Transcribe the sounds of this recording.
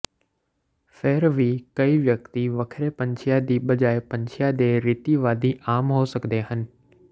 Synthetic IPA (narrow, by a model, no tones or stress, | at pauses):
feːɾʋiːkɐiʋjɐk̚t̪iʋɐkʰɾepɐ̃ɲt͡ʃʰijad̪iɓɐd͡ʒaːepɐ̃ɲt͡ʃʰjad̪eɾit̪iʋaːd̪iʔaːmɦosɐkd̪eɦənɪ̆